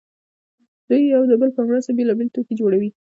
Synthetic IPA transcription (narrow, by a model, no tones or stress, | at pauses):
d̪̥ujawd̪əbəlkaŋɡɾasabelɑbelet̪oked͡ʒoɽawi